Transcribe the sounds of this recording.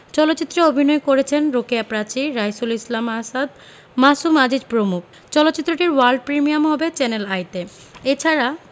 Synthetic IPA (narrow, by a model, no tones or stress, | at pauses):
t͡ɕɔlot̪ːit̪ːɾeobʱinɔekoɾet͡ɕʰenɾokijapɾat͡ɕiɾajsulislamasad̪ | masumad͡ʑid͡ʑpɾomuk̚ | t͡ɕɔlotːt͡ɕit̪ːɾoʈiɾwaɾɖ̚pɾimijamɦɔbet͡ɕɛnelajt̪e | et͡ɕʰaɾa